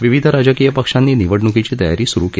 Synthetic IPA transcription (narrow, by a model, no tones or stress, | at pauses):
ʋiʋid̪ʱəɾad͡ʑəkijəpəkʂanːiːniʋəɽnukit͡ɕiːt̪əja̰ɾiːsuɾuke